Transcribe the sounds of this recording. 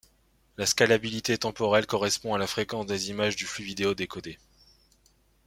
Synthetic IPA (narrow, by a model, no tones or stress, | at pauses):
laskalabilit̪et̪ɑ̃pɔʁɛlkɔʁɛspɔ̃alafχekɑ̃sd̪ezimaʒd̪yflyvid̪eod̪ekɔd̪e